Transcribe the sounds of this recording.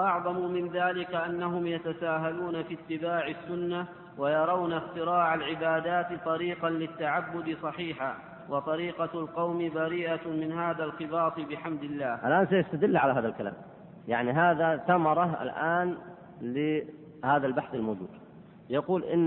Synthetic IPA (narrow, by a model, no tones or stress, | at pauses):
ʔɑʕðˤɑmʊmɪnðaːlɪkaʔanːaɦʊmjat̪asaːɦaluːnafiːt̪ːɪbaːʕɪsːʊnːa | wajɑɾˤɑwnaxt̪ɪɾaːʕalʕɪbaːd̪aːt̪t̪ˤɑɾiːqɑnlɪt̪ːaʕabːʊd̪ɨsˤɑħiːħa | wɑt̪ˤɑɾiːqɑlqɑwmɪbaɾiːʔamɪnɦaːðalxɪbɑːsˤɨbɪħamd̪ɪlːaːhʔalʔaːns̬ajast̪ad̪ɪlːʕalaɦaːðalkala̰ːm | ja̰ʕniɦaːðaθamɑɾˤɑa̰lʔaːn | lɪ | haːðalbaħθalmoːd͡ʒṵːd̪ | jɑquːlʔɪ̰nː